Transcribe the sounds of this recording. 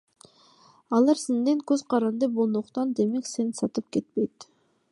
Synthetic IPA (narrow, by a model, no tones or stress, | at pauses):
ɑlˠɑɾsend̪e̞ŋkɵzqʰɑɾɑnd̪ɯbo̞lˠnuqt̪ɑnd̪e̞me̞kse̞nsɑt̪ɯp̚kʲe̞t̪̚pe̞jt̪